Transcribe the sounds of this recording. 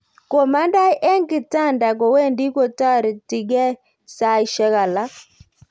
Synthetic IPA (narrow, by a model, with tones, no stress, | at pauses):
kɔ˨ma˦nda˦ʔɛ˦ŋɡi˨ta˦˨nda˨kɔ˨wɛ˦ndi˦kɔ˦ta˦˨ɾi˨ti˨ɡɛ˦ | sa˨i˦ʃɛ˦ɣa˨la˦